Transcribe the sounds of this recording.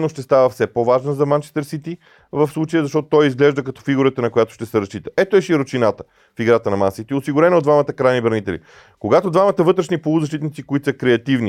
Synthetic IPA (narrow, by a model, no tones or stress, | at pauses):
noʃt̪ɛst̪avəfsɛpovaʒnəzɐmant͡ʃɛst̪əɾsit̪i | vɐfslˠut͡ʃəjəzɐʃt̪ɔt̪o̥t̪ɔjizɡlɛʒd̪əkɐt̪ɔ̥fiɡuɾət̪ənɐkojat̪o̥ʃt̪ɛsɛɾɐst͡ʃit̪ə̥ɛt̪oɛʃiɾot͡ʃinat̪ə | fiɡɾat̪ənɐmansit̪iosiɡʊɾɛnood̪vamət̪əkɾajnibɾɐnit̪ɛlḭ | koɡat̪od̪vamət̪əvɤt̪ɾɛʃnipolˠʊzɐʃt̪it̪nit̪sikoit̪o̥səkɾɛɐt̪ivni